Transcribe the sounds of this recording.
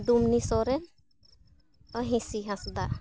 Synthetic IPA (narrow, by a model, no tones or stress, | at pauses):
dumnisɔɾɛn | əɦĩsiɦãsd̪a